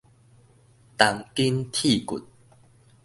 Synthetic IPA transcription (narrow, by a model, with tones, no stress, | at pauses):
t̪a˨˦ŋki˦nt̪ʰi˥˧˨kṵ˨˩t̪̚